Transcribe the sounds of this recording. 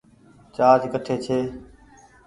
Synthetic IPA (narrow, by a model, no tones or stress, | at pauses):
t͡ʃaːd͡ʒkəʈʰeːt͡ʃʰeː